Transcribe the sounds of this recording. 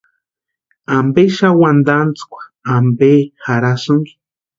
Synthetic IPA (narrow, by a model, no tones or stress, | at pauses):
ambeʃawand̪ant͡skʷḁːmbexaɾasuŋɡ